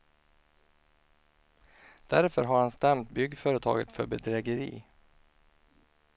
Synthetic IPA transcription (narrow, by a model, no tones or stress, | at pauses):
d̪̥æɾfœɾɦaɾhanst̪ɛmt̪bʏɡfœːɾət̪ʰɑ̰ːɡət̪fœɾbɛd̪ɾɛɡəɾḭː